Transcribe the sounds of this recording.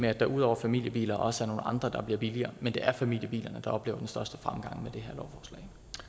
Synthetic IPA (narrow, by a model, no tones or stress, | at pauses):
meæd̥ɑ̈ʔuð̞̰ˠɒ̰ʊɐfæmil̰jəb̥ḭːlɐʔɒ̽səæɐno̝ːnɑ̈nd̥ʁɐd̥ɑ̈b̥liɐb̥iliɐːmend̥e̝ʔæɐfæmḭl̰jəbḭːlɐnəd̥ɑ̈ɒ̽b̥lḛːʊɐd̥ensd̥ɶɐsd̥ə̥fʁamɡ̥ɑ̈ŋ̰med̥e̝ɦeɐlɒʊfɒːslɛ̰ɪ̰